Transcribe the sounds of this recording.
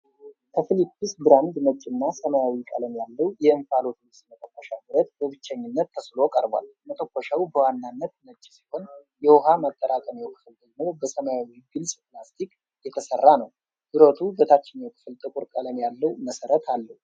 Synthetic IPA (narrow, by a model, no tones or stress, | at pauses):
kʰəfɨlipʰːɨsbɨɾand̪nət͡ʃʼːɪnːasəmajawikʼələmjalːəwjɛɨɱfalo̞t̪ʰuwɨst̪mət̪ʼəkʷːəʃabɨɾət̪̚bəβɨt͡ʃːəɲːɪnːət̪ʰːəslo̞kʼəɾbʷa̰lmət̪ʼəkʷːɔʃawubəwanːanːət̪nət͡ʃʼːsi̥ho̞njɛwoɦamat̪ʼːəɾakʼəmjɛwkʰɨ̥fɨld̪əɡmo̞wbəsəmajawiɡɨlsʼpɨlast̪ʰikʼ | jɛt̪ʰəsərːanəw | bɨɾot̪ʰubət̪ʰat͡ʃːɪnawkʰɨ̥fɨlt̪ʼɨkʼuɾkʼələmjalːəwməsəɾət̪ʰalːəhu